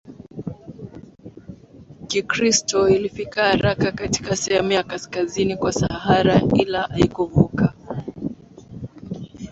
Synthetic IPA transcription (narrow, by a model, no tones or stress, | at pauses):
kikɾistɔilifikahaɾakakati̥kasɛɛmiakaskazinikwasaɦaɾaʔilaʔaikuvuka